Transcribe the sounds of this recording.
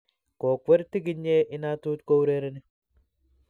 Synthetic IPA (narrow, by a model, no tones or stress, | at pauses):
koːkwɐɾt̪ɪɡɪɲːeːʔɪnaːt̪uːt̪kowɾeːɾɐnɪ